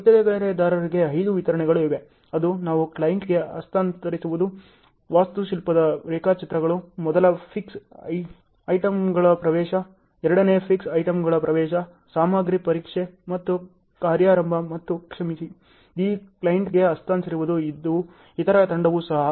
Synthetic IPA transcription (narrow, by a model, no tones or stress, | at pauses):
t̪ːɐd̪eɡɐɭɐɾed̪aːɾɐɾiɡe̞ɦɐjd̪uʋit̪ɐɾɐɳɛɡɐɭuiʋe̞ | ɐd̪unaːʋuklɐjiɳʈɡe̞ɐst̪ʰaːnt̪ɐɾisuʋud̪u | ʋaːst̪uʃilpɐd̪ɐɾeːkaːt͡ʃit̪ɾɐɡɐɭumɔd̪ɐlɐpʰiks | ɐjʈɐmɡɐɭɐpɾɐʋɛːʃɐ | ɛɾɐɽɐneːpʰiksɐjʈɐmɡɐɭɐpɾɐʋɛːʃɐ | saːmaːɡɾipɐɾiːkʂemɐt̪ːu | kaːɾjaːɾɐmbʱɐmɐt̪ːukʂɐmisi | iːklɐjɐɳʈɡe̞ɐst̪ʰaːnt̪iɾiʋud̪uid̪ːu | it̪ɐɾɐt̪ɐɳɖɐʋusɐɦɐ